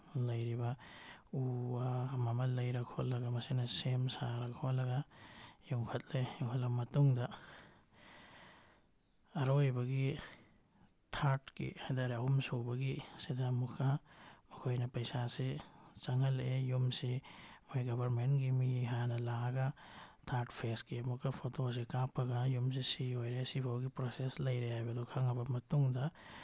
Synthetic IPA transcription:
lɐjɾibɐuamɐmɐlːɐjɾɐkʰolɐɡɐmɐsenɐsemsaɾɐkʰolɐɡɐjuŋkʰɐt̚leukɔlɐmɐtuŋdɐ | ɾojbɐɡi | tʰaɾtkḭhajdaɾeahumsobɐɡisid̪amukʰːamɐkʰojnɐpɐjsaset͡ʃɐŋɐlejumsemojɡɐbʱɐɾmenɡimiɦanɐlaɡatʰaɾʈpʰeskiɐmukʰːɐpʰotos̬ekapʰːɐɡajums̬esiojɾesibʰʱawɡipɾoseslɐjɾeajbɐd̪ɔkʰɐŋɐbɐmɐtuŋdɐ

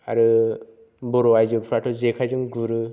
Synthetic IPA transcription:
a̰ɾɯ | bɔɾɔajzɔpʰɾatʰɔzekʰajzɯŋɡuɾɯ

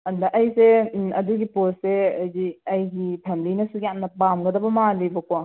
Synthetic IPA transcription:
ɐndɐʔɐjseɐduɡiposseɐjɡiɐjɡipʰemilinɐsuijamnɐpamɡɐdɐbɐmalibɐkwa

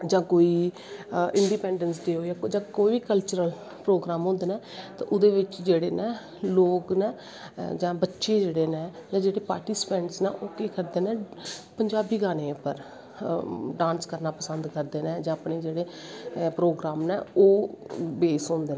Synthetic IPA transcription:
d͡ʒãːkoːiː | ɪ̃ɳɖiːpɛ̃ːɳɖənsd̪eːɦoːɛːd͡ʒãːkoːiːkəlt͡ʃəɾəl | pɾoːɡɾaːmɦõːnd̪eːnɛːt̪a̰ːʔʊd̪eːʋɪt͡ʃd͡ʒeːɽeːnɛː | loːknɛː | d͡ʒãːbətːʃeːd͡ʒeːɽeːnɛ̃ːd͡ʒãːd͡ʒeːɽeːpa̰ːɾʈiːspɛ̃ːɳʈsnɛ̰ːʔoːkeːkəɾd̪eːnɛːpəɲd͡ʒaːbiːɡaːneːpəɾ | ɖãːnskəɾnaːpəsənd̪kəɾd̪eːnɛ̃ːd͡ʒãːəpneːd͡ʒeːɽeːpɾoːɡɾaːmnɛːoːbeːsɦõːnd̪eːnɛ̃

